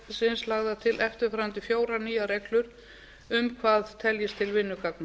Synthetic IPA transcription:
sɪnslaɣðat̪ʰɪlʔɛft̪ʏɾfɾawnt̪ɪfjoːwɾaniːjaɾɛklʏɾ̥ | ʏmkʰvaːðt̪ʰɛljɪst̪ʰɪlvɪnːʏkaknɪ

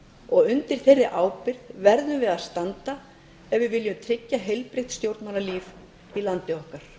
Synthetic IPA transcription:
ɔɣʏnt̪ɪɾ̥θerːɪʔaːwpɪɾðvɛɾðʏmvɪðaðst̪ant̪a | ɛvvɪvɪljʏmt̪ʰɾɪcːaɦejlpɾejht̪st̪jowɾt̪nmalaliːv | ilant̪ɪɔhkaɾ̥

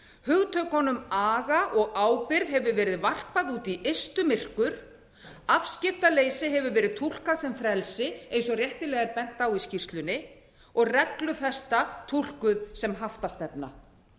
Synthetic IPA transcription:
hʏɣt̪ʰœkɔnʏmaːɣaʔɔɣaːwpɪɾðɦɛvʏvɛːɾɪðvar̥paðuːt̪iʔest̪ʏmɪr̥kʏɾ̥ | afscɪft̪aleːjsɪɦɛvʏɾvɛːɾɪðt̪ʰul̥kasɛmfɾɛlsɪeːjnsɔrjɛht̪ɪlɛːɣaɾpɛn̥t̪awiscir̥t̪lʏnːɪ | ɔɣrɛklʏθɛst̪at̪ʰul̥kʏðsɛmɦaft̪ast̪ɛpna̰

